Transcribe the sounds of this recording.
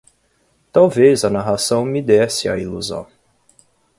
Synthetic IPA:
t̪awvezɐnaɦasɐ̃w̃mid̪ɛsɪa̰iluzɐ̰̃w̃

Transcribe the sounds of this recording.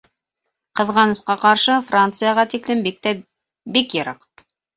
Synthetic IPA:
qɤ̆ðʁɑnɤ̆sqɑqɑɾʃɤfrant̪sɨjaʁɑt̪iklɘmbk̚t̪æ | bikjɤ̆ɾɑq

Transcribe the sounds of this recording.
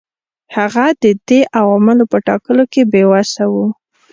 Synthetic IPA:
haɣad̪əd̪eʔawɑmalopəʈɑkəlokebewasawu

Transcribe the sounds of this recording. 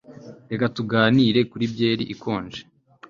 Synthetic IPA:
e̞katuɡaːniɾe̞kuɾibje̞ːɾḭʔikʰo̞ːnd͡ʒe̥

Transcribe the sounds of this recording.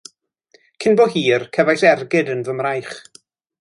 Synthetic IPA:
kʰɪnbɔɦiːrkʰɛvajsɛrɡɪdənvəmrajχ

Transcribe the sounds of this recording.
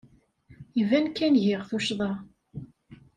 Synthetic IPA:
jəvænkːænʝɪʁθuʃðˤɑ

